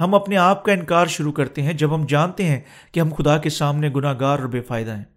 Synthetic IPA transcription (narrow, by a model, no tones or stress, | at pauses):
ɦɐmɐpneaːp̚kaɪ̃nkaːɾʃʊɾukɐɾt̪eɦɛ̃d͡ʒɐbɦɐmd͡ʒaːnt̪eɦɛ̃ | keɦɐ̃mxʊd̪akesaːmneɡʊnaːɦɡaːɾɔːɾbeːfaːɪd̪aɦɛ̃ː